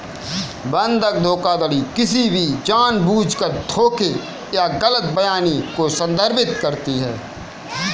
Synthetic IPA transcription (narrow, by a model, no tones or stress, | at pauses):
bə̃nd̪ʱək̚d̪ʱoːkad̪əlikɪsibʱid͡ʒaːnbuːd͡ʒkəɾd̪ʱʰoːke | jaɡələt̪bəjaːnikosə̃nd̪ʱəɾbɪt̪kəɾt̪iɦɛː